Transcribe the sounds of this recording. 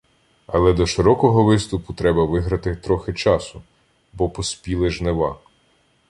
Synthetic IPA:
ɐlˠɛd̪ɔʃɪɾɔkɔɦɔʋɪst̪ʊpʊt̪ɾɛbɐʋɪɦɾɐt̪ɪt̪ɾɔxɪt͡ʃɑsʊ | bɔpɔspʲilˠɪʒneʋɑ̰

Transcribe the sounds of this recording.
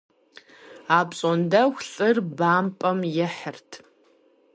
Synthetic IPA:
aːpɕʼɔndɐxʷɬʼɨrbaːmpʼɐmjɛħərtʰ

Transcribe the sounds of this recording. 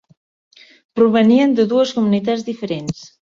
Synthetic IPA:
pɾuβəniənd̪əðuəskumunit̪azðifəɾens

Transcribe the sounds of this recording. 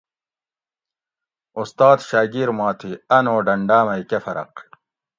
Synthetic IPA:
ust̪aːd̪ɕaːɡiɾmaːt̪ʰiɐnoːɖɐɳɖaːmɐjkefɐɾɐ̰q

